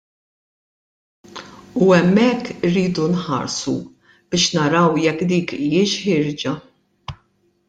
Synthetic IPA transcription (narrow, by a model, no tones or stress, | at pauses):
uɛmːɛkːɪrːiːd̪unħɐ̰ɾsṵ | b̥ɪːʃnɐɾɐwjɛkːd̪iːkiːɪʃħɪɾd͡ʒɐ